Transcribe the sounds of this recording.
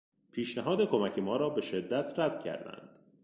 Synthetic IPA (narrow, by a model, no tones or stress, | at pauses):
pʰiːʃnæɦɒːd̪ekʰo̞mæcʰe̞mɒːɾɒːbe̞ʃe̞d̪ːæt̪ʰɾæd̪̥cʰæ̰ɾd̪æ̰nd̪̥